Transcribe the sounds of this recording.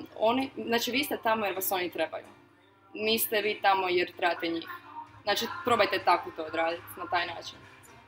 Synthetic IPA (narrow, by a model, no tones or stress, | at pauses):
o̞niznaːt͡ʃiʋiːst̪ɛt̪amojeɾʋaso̞nit̪ɾe̞ba̰jṵ | niːst̪ɛʋiːt̪amo̞jeɾt̪ɾebat̪eɲixzaːt͡ʃipɾo̞bajt̪et̪akot̪o̞ːd̪ɾaːd̪it̪nat̪aːjnaːt͡ʃin